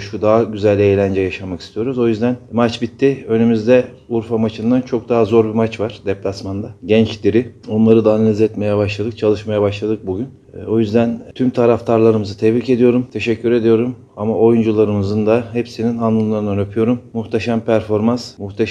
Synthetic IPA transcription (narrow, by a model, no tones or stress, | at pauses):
ʃud̪aɦaɟyzælʲe̞jlʲænd͡ʒɛjaʃamaki̥st̪ʰijo̞ɾuzo̞jyzd̪ænmat͡ʃbit̪ʰːiø̞nymyzd̪ɛ | uɾfamat͡ʃʰɯnd̪ant͡ʃʰo̞k̚d̪aɦazo̞ɾbimat͡ʃvaɾ̥d̪ɛplʲasmand̪aɟɛnt͡ʃd̪iɾio̞nlˠaɾɯd̪aːnalʲizɛt̪me̞jɛbaʃlˠad̪ɯk̚t͡ʃʰalˠɯʃmajabaʃlˠad̪ɯk̚buɟʲyn | o̞jyzd̪ænt̪ʰymt̪ʰaɾaft̪ʰaɾlˠaɾɯmɯzɯt̪ʰevɾice̞d̪ijo̞ɾumt̪ʰe̞ʃɛcʲːyɾe̞d̪ijo̞ɾum | amaʔo̞jund͡ʒulˠaɾɯmɯzɯnd̪aɦepsininanlˠɯmlˠaɾɯnanøpʰyjo̞ɾumːuxt̪ʰaʃampʰæɾfo̞ɾmansmuht̪ʰa